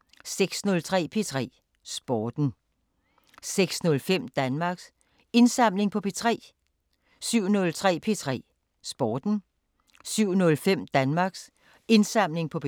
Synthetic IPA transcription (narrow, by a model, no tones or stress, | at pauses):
seɡ̥snɔ̽lt͡sʰʁɛ̰ːpʰe̝t͡sʰʁɛ̰ː | sb̥ɒːd̥n̩ | seɡ̥snɔ̽lfem̰d̥ænmɑ̈ɡ̥s | e̝nsɑ̈m̰le̝ŋpʰɒ̽pʰe̝t͡sʰʁɛ̰ː | syʊ̰nɔ̽lt͡sʰʁɛ̰ːpʰe̝t͡sʰʁɛ̰ː | sb̥ɒːd̥n̩ | syʊ̰nɔ̽lfem̰d̥ænmɑ̈ɡ̥s | e̝nsɑ̈m̰le̝ŋpʰɒ̽p